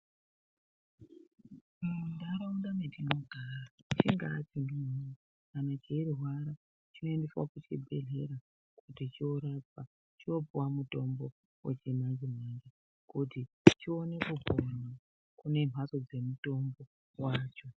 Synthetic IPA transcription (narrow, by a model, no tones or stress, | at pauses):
ndaɾaundametʰinoɡʱarat͡ʃiŋɡaat͡ʃindimuna | kanat͡ʃeiriɦwaɾa | t͡ʃino̞endeswa̰kut͡ʃibʱe̞ɮe̞̰ɾa | kutit͡ʃioɾat͡sa | t͡ʃio̞puwamuto̞mbo̞ | wʔḛt͡ʃinaɲd͡ʒemand͡ʒe | kuti | t͡ʃio̞ne̞kubʱona | kune̞m̤ɦaso̞d͡ze̞muto̞mbo̞ | waːt͡ʃo̞